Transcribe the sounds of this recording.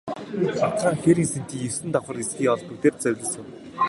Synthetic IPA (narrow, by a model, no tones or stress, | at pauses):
sat̪χaːŋxeɾiːŋsen̥t̪iːŋesɘ̆nt̪ɔχə̆resɡiːŋɔɮput̪eːr̚t͡sœwʲɮʲɪ̆sə̆w